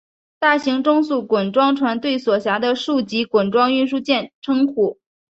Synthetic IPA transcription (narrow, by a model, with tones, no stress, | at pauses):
t̪a˥˩ɕi˧˥ŋʈ͡ʂʊ˥ŋsu˥˩kwə˨˩nʈ͡ʂwɑ˥ŋʈ͡ʂʰwa˧˥nt̪we˥˩ɪswɔ˨˩ɕja˧˥d̪ə˧ʂu˥˩t͡ɕi˧˥kwə˨˩nʈ͡ʂwɑ˥ŋy˥˧ʂu˥˧t͡ɕjɛ˥˩nʈ͡ʂʰɤ˥ŋkʰu˨˩˦